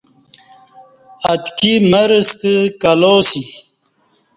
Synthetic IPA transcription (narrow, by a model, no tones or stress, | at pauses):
ɐt̪kiməɾəst̪əkɐloːsi